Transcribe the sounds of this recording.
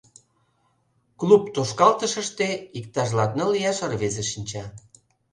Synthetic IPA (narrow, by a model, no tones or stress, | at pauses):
klupt̪oʃkɑlt̪əʃəʃt̪eik̚t̪ɑʒlɑt̪̚nəlːijɑʃərβezeʃinʲt͡ɕɑ